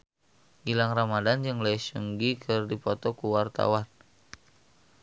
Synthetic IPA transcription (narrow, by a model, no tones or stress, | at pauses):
ɡilaŋramadand͡ʒɨŋlasṵŋɡikʰɨrdipɔt̪ɔkuwart̪a̰wan